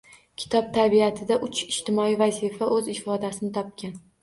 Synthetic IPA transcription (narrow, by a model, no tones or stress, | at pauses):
kʲʰɪ̥t̪ʰɒb̚t̪ʰaɾbiat̪ʰɪd̪aʔʊt͡ʃʰɪʃt̪ʰɪmɒivazɪfaʔɵzɪfɒd̪asɪnɪt̪ʰɒp̚kʲan